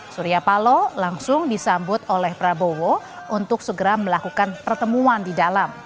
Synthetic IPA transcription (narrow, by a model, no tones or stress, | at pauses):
suɾiapalolaŋsʊŋdisambʊt̪olɛhpɾabowo | ʔunt̪ʊksəɡəɾaməlakukanpərt̪əmuandidalam